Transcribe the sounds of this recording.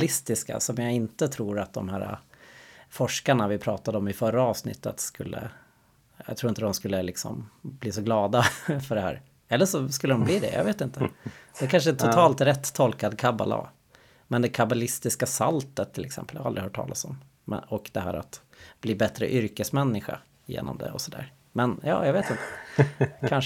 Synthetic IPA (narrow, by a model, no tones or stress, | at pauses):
lɪst̪ɪska̰sɔmjaɪnt̪ət̪ʰɾuːɾat̪̚d̪ɔmhæːɾa̰ | fɔʂkaɳavɪpʰɾɑːt̪ad̪əɔmɪfœɾːaɑːvsnɪ̰t̪ːə̰t̪skɵlːə̰ | ja̰t̪ʰɾuːɪnt̪əd̪ɔmskɵlːəlɪksɔ̰mbliːsɔɡlɑːd̪afœɖɛhæ̰ːɾ | ɛlːəʂɔskɵlːəd̪ɔmbliːd̪ɛ̰ja̰veːt̪ɪnt̪əd̪̥ɛækʰanʂəɛnt̪ʰʊt̪ʰɑːlt̪ɾɛt̪ʰːɔlkad̪kʰaba̰la̰ | mɛnd̪ɛkʰabalɪst̪ɪskasalt̪ət̪ʰːɪlɛksɛ̰mpəljaald̪ɾɪhœːʈʰːɑ̰ːlasɔm̰ː | ɔkd̪̥ɛɦæːɾa̰t̪ | b̥liːbɛt̪ɾə̰ʔʏɾkəsmɛnːɪɧa̰ | jḛːnɔ̰md̪ɛ̰ɔsɔd̪æ̰ːɾ | mɛnjɑːjɑɡveːt̪ɪnt̪ə̥ | kʰanʂ